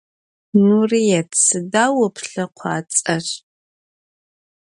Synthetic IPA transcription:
nuːrijɛtʰsɨdaːwɐpʰɬɐqʷʰɑ̰ːt͡sʼɐr

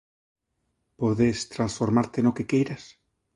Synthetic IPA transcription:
poðest̪ɾansfoɾmaɾt̪enokekejɾas

